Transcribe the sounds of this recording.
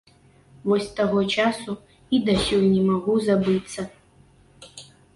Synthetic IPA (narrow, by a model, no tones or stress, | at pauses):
vɔsʲt̪aɣɔt͡ʂasu | id̪ɐsʲɔjnʲɛmaɣuzabɨt̪sːɐ